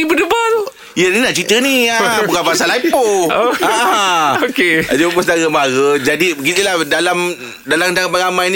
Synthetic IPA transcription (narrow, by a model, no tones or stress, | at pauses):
ibədəbat̪o | jəninaʔt͡ʃit̪əniabukanpasalaipooaaokead͡ʒupust̪aɾəmaɣəd͡ʒadibəɡit̪ilahdalam | dalamnt̪aŋapaŋamãjn